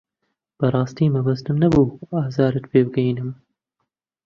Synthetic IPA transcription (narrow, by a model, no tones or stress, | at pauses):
b̥ɐrˤɑːst̪iːmɐbɐst̪ɨmnɐbuːaːzaːɾɨt̪pʰeːbɨɡɛjinɨm